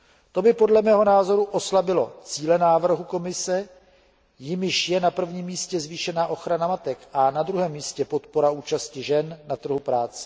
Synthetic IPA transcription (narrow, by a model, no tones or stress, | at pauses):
t̪o̞bɪpo̞dlɛmɛːɦo̞naːzo̞ɾuʔoslabɪlo̞̰t͡siːlɛnaːvr̩ɦuko̞mɪsɛ | jɪmɪʃjɛnapr̩vɲiːmːiːscɛzviːʃɛnaːʔo̞xɾanamat̪ɛkʔanad̪ɾuɦɛːmːiːscɛpo̞t̪po̞ɾauːt͡ʃascɪʒɛnːat̪r̩ɦupɾaːt͡sɛ̥